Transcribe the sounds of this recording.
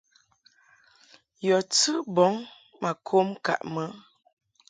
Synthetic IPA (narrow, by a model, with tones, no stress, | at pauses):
jɔ˨t͡sɨ˦bɔ˨˦ŋ | ma˨kʰo˦mka̰˨ʔmə˦